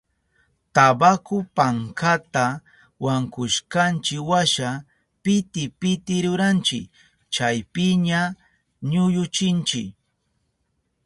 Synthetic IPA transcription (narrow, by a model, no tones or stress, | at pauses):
t̪abakʊpaŋkat̪a | waŋkʊʃkant͡ʃɪkwaʃa | pɪt̪ɪpɪt̪ɪɾʊɾant͡ʃɪ̰k | t͡ʃajpɪɲa | ɲʊjʊt͡ʃɪnt͡ʃɪ̰k